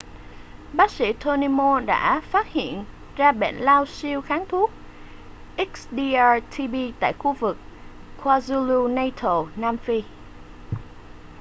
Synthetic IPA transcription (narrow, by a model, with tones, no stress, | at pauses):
ɓaː˦˥k̚sḭ˧˥t̪ʰo˧ni˧mo˧ɗa̰ː˧˥faː˦˥t̚hḭ˧˨ən | zaː˧ɓḛ˧˩nlaː˧wsi˧əwxaː˨˦ŋt̪ʰu˦˥ək̚ | ʔi˦˥k̚sɗi˧ʔaː˧t̪ʰi˧ɓi˧t̪a̰ː˧˨jxu˧vɨ˨˩k̚kʰwaː˧zu˧lu˧na˧jt̪ʰo˨˩naː˧mfi˧